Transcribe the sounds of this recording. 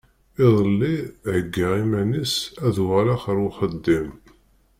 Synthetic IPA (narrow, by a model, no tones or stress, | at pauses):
ɪðˤəlːiʕəɡːaʁimænisæðwʁælaχəɾwχəd̪ːim